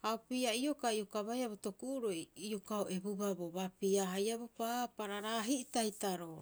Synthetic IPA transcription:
haopiaio̞kaiokaβajaβoto̞kuʔuɾo̞jiokaoʔe̞bubabo̞βapiaɦajabopapaɾaɾaɦiʔtajtaɾo

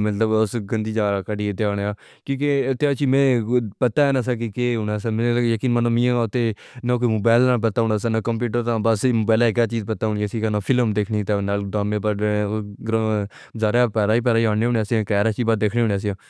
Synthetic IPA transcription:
mət̪ləbʊsɡənd̪iːd͡ʒaːɾaːkəɖiːɪt̪ːeaːneaːkjõːk̬eɪt̪ːeːaːt͡ʃiːmẽːpət̪aːɛːnas̬ɛːk̬ikeːʊnaːs̬ɛːmjəkiːnmənãːmĩːt̪eː | nãːk̬oːiːmoːbaːɪlnaːp̬ət̪aːɦʊːnaːs̬ɛːnãːkəmpjuːʈəɾt̪ãːbəsmoːbaːlɛkɛːt͡ʃiːzpət̪aːɦʊːɳiaːsikanaːpʰɪləmd̪eːkʰnet̪aːnaːldaːmẽːpəʈːɡɾa | zaːɾapɛːɾaːiːp̬ɛːɾaːiaːneːʊːɳaːsiãːkɛːɾaːt͡ʃiːbad̪eːkʰneːɦʊːɳaːs̬ãː

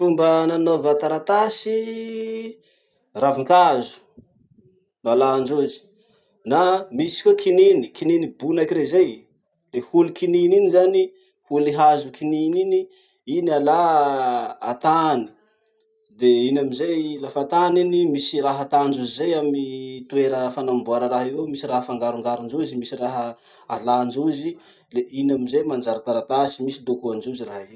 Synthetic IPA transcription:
fumbənanovat̪aɾat̪asi | raviŋkazu̥ | nalaɳd͡ʒuzi̥ | namisi̥kʲokʰininikininibunakiɾezej | lehulukinininizani | huliɦazukininini | iniala | at̪ani̥ | d̪einamizejlafat̪aninimisiraɦat̪and͡ʒuzizejamit̪ueɾəfanambuaɾəɾaɦiewmisiraɦəfaŋɡaɾuŋɡaɾind͡ʒuzimisiraɦə | aland͡ʒuzi | leinamizejmand͡ʒaɾat̪aɾat̪asimisid̪okuand͡ʒuziraɦe

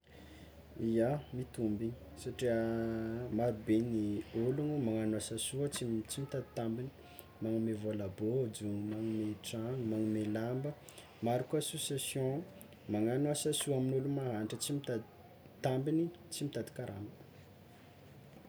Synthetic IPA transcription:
ijamit̪umbiɲ | saʈ͡ʂiə | maɾubenioluŋumaŋanuasasuət͡sit͡simit̪ad̪i̥t̪ambini̥ | maŋumevolabod͡zuŋmaŋumeʈ͡ʂaŋmaŋumelambə | maɾikuasosjasjõ | maŋanuasasuaminulumaɦanʈ͡ʂət͡simit̪a | t̪ambini | t͡simit̪ad̪i̥kaɾa̰mbə̥

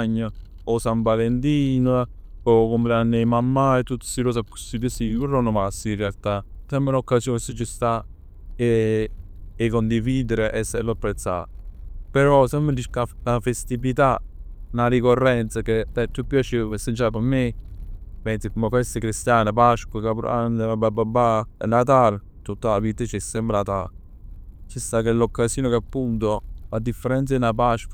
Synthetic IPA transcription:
ɲːə | osampalent̪iːn | okomlanːemamːajt̪ut̪siɾos̬aku̥sid̪isikuronomasːinrealt̪asɛmbelokːasjoːnsit͡ʃːist̪a | eː | kːond̪iviːd̪eɾeʔɛsːelopːɾet̪sːa̰peɾɔsɛmbd̪iʃkalafest̪ivit̪anaɾikorːɛnt̪saked̪ɛt̪ːupːjat͡ʃiesent͡ʃakomːe | pɛnt̪sikmokɛst̪əkɾist̪jaːnap̬aʃkwakapanabababanat̪̬al | t̪ut̪ːalavit̪ət͡ʃɛsːɛmpɾat̪a | t͡ʃist̪akelːokːasjoːnokapːunt̪ofad̪ːifːeɾɛnt̪sainap̬aʃk

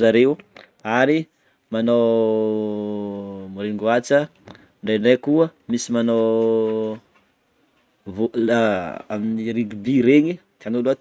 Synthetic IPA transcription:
zaɾew | aɾi | manow | muɾeŋɡuat͡sə | ɳɖ͡ʐeɳɖ͡ʐekuəmisimano | vo | aminiɾiɡibiɾeɲit̪ianola

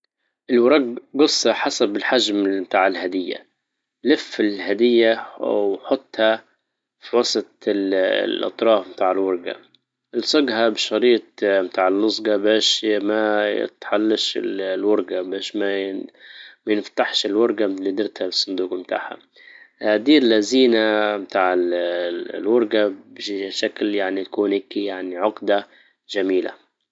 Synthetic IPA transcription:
ʔɪlwɑɾˤɑɡɡɑsˤːɑħasabɪlħaʒmmt̪aːʕɪlhad̪ɪjːa̰ | lɪfɪlhad̪ɪjːawħʊt̪ˤːha | fiwɑsˤɑt̪ˤɪl̰lʔɑ̰t̪ˤɾˤɑːfmt̪aːʕɪlwɑɾˤɡa̰ | ʔɪlsˤɑɡhabɪʃɑɾiːt̪̚mt̪aːʕɪlːʊzˤɡɑbeːʃmajɪ̰t̪ħalːaʃɪ̰llwʊɾˤɡabeːʃma | majɪnft̪aħʃɪlwʊɾˤɡalid̪ɪɾt̪habsˤːʊnd̪uːqmt̪a̰ːha̰ | haːd̪iːlːaziːnamt̪aːʕɪ | lwʊɾˤɡabɪʃakljaʕnit̪akuːnhɪkijaʕniʕʊɡd̪a | ʒamiːla̰

